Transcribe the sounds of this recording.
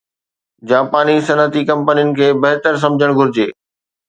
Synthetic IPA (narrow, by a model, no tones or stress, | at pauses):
d͡ʑaːpaːnisɐnət̪ikɐ̃mpənijʊnɪ̆kʰeːbɐɦt̪əɾs̬ɐ̃md͡ʑʱəɽ̃ɡʱʊɾɪd͡ʑeː